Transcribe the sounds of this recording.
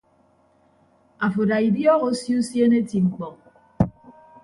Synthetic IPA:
a˨fo˨da˨i˨djɔː˦ɣo˦sji˦u˦sje˦ne˦ti˨ŋ͡m̩˨k͡pɔ˨

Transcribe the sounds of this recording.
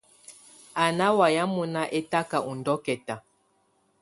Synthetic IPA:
a˨na˦wa˨ja˦mu˦na˦ʔe˦ta˦ka˨ʔu˨ndɔ˦kɛ˨ta˨

